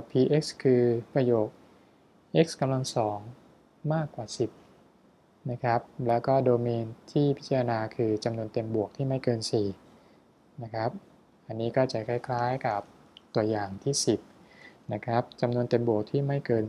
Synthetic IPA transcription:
pʰiː˧ʔe˦˥k̚skʰɯː˧pɾa˧joː˨˩k̚ | ʔe˦˥k̚ska˧mla˧ŋsɔː˩˦ŋ | maː˥˩kːwaː˨˩si˨˩p̚ | na˦˥kʰɾa˦˥p̚lɛː˦˥wkɔː˥˩doː˧miː˧nt̪ʰiː˥˩pʰi˦˥t͡ɕa˧a˧naː˧kʰɯː˧t͡ɕa˧mnu˧ənt̪e˧mbu˨˩ək̚t̪ʰiː˥˩ma˥˩jkɤː˧nsiː˨˩ | na˦˥kʰɾa˦˥p̚ | ʔa˧nːiː˦˥kɔː˥˩t͡ɕa˨˩kʰa˥˩jkʰlaː˦˥jka˨˩p̚ | t̪u˧ɐjaː˨˩ŋt̪ʰiː˥˩si˨˩p̚na˦˥kʰɾa˦˥p̚t͡ɕa˧mnu˧ənt̪e˧mbu˨˩ək̚t̪ʰiː˥˩ma˥˩jkɤː˧n

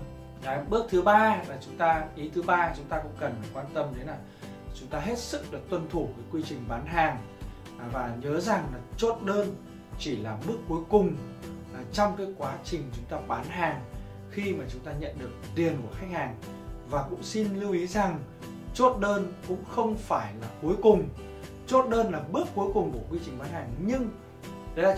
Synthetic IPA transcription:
ɓɨ˦˥ək̚t̪ʰɨ˨˦ɓaː˧laː˨˩t͡ɕʊ˨˦ŋ͡mt̪aː˧ʔi˨˦t̪ʰɨ˨˦ɓaː˧t͡ɕʊ˨˦ŋ͡mt̪aː˧kʊ̰˧˥ŋ͡mkə˨˩n˨˩kwaː˧nt̪ə˧mɗe˨˦nlaː˨˩ | t͡ɕʊ˨˦ŋ͡mt̪aː˧ɦe˦˥t̚sɨ˦˥k̚ɗɨ˨˩ək̚t̪wə˧˩nt̪ʰu˧˩vəː˨˦jkwi˧t͡ɕï˨˩ŋ̟ɓaː˨˦nɦaː˨˩ŋ | vaː˨˩ɲəː˨˦za˨˩ŋlaː˨˩t͡ɕo˦˥t̚ɗəː˧n | t͡ɕi˧˩laː˨˩ɓɨ˦˥əkːu˨˦jkʊ˨˩ŋ͡m | t͡ɕɔ˧wŋ͡mkaː˨˦jkwaː˨˦t͡ɕï˨˩ŋ̟t͡ɕʊ˨˦ŋ͡mt̪aː˧ɓaː˨˦nɦaː˨˩ŋ | xi˧maː˨˩t͡ɕʊ˨˦ŋ͡mt̪aː˧ɲə̰˧˨nɗɨ˨˩ək̚t̪i˨˩ənku˧˩əxa˦˥k̚haː˨˩ŋ | vaː˨˩kʊ̰˧˥ŋ͡msi˧nli˧wʔi˨˦za˨˩ŋ | t͡ɕo˦˥t̚ɗəː˧nkʊ̰˧˥ŋ͡mxə˧wŋ͡mfaː˧˩jlaː˨˩ku˨˦jkʊ˨˩ŋ͡m | t͡ɕo˦˥t̚ɗəː˧nlaː˨˩ɓɨ˦˥əkːu˨˦əjkʊ˨˩ŋ͡mku˧˩əkwi˧t͡ɕï˨˩ŋ̟ɓaː˨˦nhaː˨˩ŋɲɨ˧ŋː˨˧˦

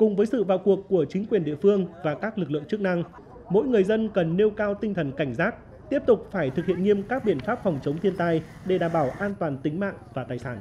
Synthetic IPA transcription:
kʊ˨˩ŋ͡mvəː˨˦jsɨ̰˧˨vaː˨˩wku˨˩əkːu˧˩ət͡ɕi˨˦ŋ̟kwi˨˩ənɗḭ˧˨əfɨ˧əŋvaː˨˩kaː˦˥k̚lɨ˨˩k̚lɨ̰˧˨əŋt͡ɕɨ˦˥k̚na˧ŋ | mo̰˧˥jŋɨ˨˩əjzə˧nkə˨˩nːe˧wkaː˧wt̪ï˧ŋt̪ʰə˨˩nka˧˩jŋ̟saː˦˥t̚ | t̪i˦˥əp̚t̪ʊ˨˩k͡p̚faː˧˩jt̪ʰɨ˨k̚hḭ˧˨ənŋi˧əmkaː˦˥k̚ɓḭ˧˩ənfaː˦˥p̚fɔ˨˩wŋ͡mt͡ɕə˨˦wŋ͡mt̪ʰi˧ənt̪aː˧j | ɗe˧˩ɗaː˧˩mɓaː˧˩wʔaː˧nt̪waː˨˩nt̪ï˨˦ŋ̟ma̰ː˧˨ŋvaː˨˩t̪aː˨˩jsaː˧˩n

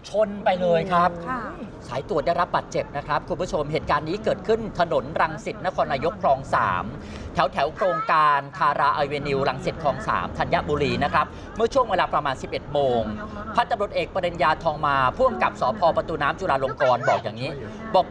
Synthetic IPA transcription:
t͡ɕʰo˧npa˧jlɤː˧jkʰɾa˦˥p̚saː˩˦jt̪u˧˩ədaː˥˩jɾa˦˥p̚baː˨˩t̪̚t͡ɕe˨˩p̚na˦˥kʰɾa˦˥p̚kʰu˧mpʰu˦˥t͡ɕʰo˧mɦeː˨˩t̪̚kaː˧nːiː˦˥kɤː˨˩t̪̚kʰɯ˥˩nt̪ʰa˧no˩˦nɾa˧ŋsi˨˩t̪̚na˦˥kʰɔː˧nːaː˧jo˦˥kʰɾɔː˧ŋsa̰ː˩˦m | t̪ʰɛ˩˦wt̪ʰɛ˩˦wkʰɾoː˧ŋkaː˧nt̪ʰaː˧ɾaː˧ʔa˧jweː˧ni˧wɾa˧ŋsi˨˩t̪̚kʰɔː˧ŋsa̰ː˩˦mt̪ʰa˧nja˦˥ʔbuː˧ɾiː˧na˦˥kʰɾa˦˥p̚ | mɯ˥˩ɐt͡ɕʰu˥˩əŋweː˧laː˧pɾa˧maː˧nsi˨˩p̚ʔe˨˩t̪̚moː˧ŋ | pʰa˦˥t̪̚t͡ɕa˧mɾu˨˩t̪̚ʔeː˨˩k̚pɾa˧de˧njaː˧t̪ʰɔː˧ŋmaː˧pʰu˥˩əmka˨˩p̚sɔː˩˦pʰɔː˧pɾa˧t̪uː˧naː˦˥mt͡ɕuː˧laː˧lo˧ŋkɔː˧nbɔː˨˩k̚jaː˨˩ŋniː˦˥ | bɔː˨˩k̚

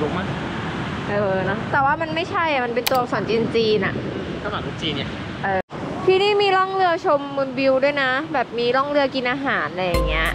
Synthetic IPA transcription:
lu˦˥k̚maː˥˩ | ʔɤː˧nɔ˦˥t̪ɛː˨˩waː˥˩ma˧nma˥˩jt͡ɕʰa˥˩ja˨˩ma˧npe˧nt̪u˧ɐ˧sɔː˩˦nt͡ɕi˧nt͡ɕiː˧nʔa̰˨˩ʔ | ta˥˩na˨˩kʰu˧˥t͡ɕiː˧nːi˥˩ | ʔɤː˧˩ | pʰiː˥˩niː˥˩miː˧lɔː˥˩ŋlɯ˧ɐt͡ɕʰo˧mːuː˧nbi˧wdu˥˩əjna˦˥bɛː˨˩p̚miː˧lɔː˥˩ŋlɯ˥˩ɐki˧nʔaː˧ɦaː˩˦nʔa˧ja˨˩ŋːi˦˥ɐʔ

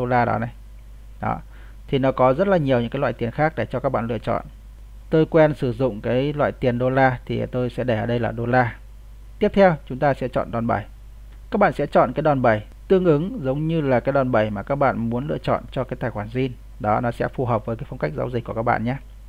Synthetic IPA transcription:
o˧laː˧ɗɔ̰˨˦na˨˩j | ɗɔ̰˨˦ | t̪ʰi˨˩nɔ˨˦kɔ˨˦zə˦˥t̚laː˨˩ɲi˨˩əwɲɨ̰˧˥ŋkaː˨˦jlw̰aː˧˨t̪i˨˩ənxaː˦˥k̚ɗe˧˩t͡ɕɔ˧kaː˦˥k̚ɓa̰ː˧˨lɨ̰˧ət͡ɕɔ̰˧˨n | t̪o˧jkwɛ˧nsɨ˧˩zʊ̰˧˨ŋ͡mkaː˨˦jlwa̰ː˧˨jt̪i˨˩ənɗo˧laː˧t̪ʰḭ˨˩t̪o˧jsɛ̰˧˥ɗə˧˩ʔəː˨˩ɗə˧jlaː˨˩ɗo˧laː˧ | t̪i˦˥əp̚t̪ʰɛ˧wt͡ɕʊ˨˦ŋ͡mt̪aː˧sɛ̰˧˥t͡ɕɔ̰˧˨nɗɔ˨˩nɓə˨˩j | kaː˦˥k̚ɓa̰ː˧˨nsɛ̰˧˥t͡ɕɔ̰˧˨nkaː˨˦jɗɔ˨˩nɓə˨˩j | t̪ɨ˧əŋʔɨ˨˦ŋzə˨˦wŋ͡mɲɨ˧laː˨˩kaː˨˦jɗɔa˨˩nɓə˨˩jmaː˨˩kaː˦˥k̚ɓa̰ː˧˨nmu˨˦ənlɨ̰˧˨ət͡ɕɔ̰˧˨nt͡ɕɔ˧kaː˨˦jt̪aː˨˩jxwaː˧˩nzi˧n | ɗɔ˨˦nɔ˨˦sɛ̰˧˥fu˨˩ɦəː˨˩p̚vəː˨˦jkaː˨˦jfə˧wŋ͡mka˦˥k̚zaː˨˦wzi˨˩k̚ku˧˩əkaː˦˥k̚ɓ̰a̰ː˧˨ɲaː˧

